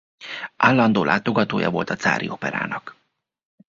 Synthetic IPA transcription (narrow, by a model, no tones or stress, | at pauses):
ʔaːlːɒnd̪oːlʔaːt̪o̞ɡɒt̪oːjɒ̰vo̞lt̪ɒt̪saːɾḭo̞pɛɾa̰ːnɒk